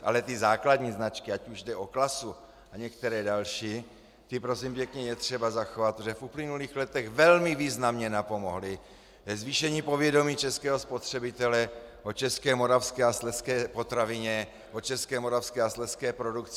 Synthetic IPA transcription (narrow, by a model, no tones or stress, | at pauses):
ʔa̰lɛt̪ɪzaːkladɲiːznat͡ʃkɪacuʒdɛʔo̞klasu | aɲɛkt̪ɛɾɛːdalʃiː | t̪ɪpɾosimpjɛkɲɛjɛt̪r̝̥ɛbazaxovat̪ʒɛfʔuplɪnuliːxlɛt̪ɛɣvɛlmɪviːznamɲɛnapo̞mo̞ɦlɪ | vɛzviːʃɛɲiːpo̞vjɛdo̞miːt͡ʃɛskɛːɦospo̞t̪r̝̥ɛbɪt̪ɛlɛʔot͡ʃɛskɛːmo̞ɾafskɛːaslɛskɛːpo̞t̪ɾavɪɲɛ | ʔot͡ʃɛskɛːmoɾafskɛːaslɛskɛːpɾo̞dukt͡s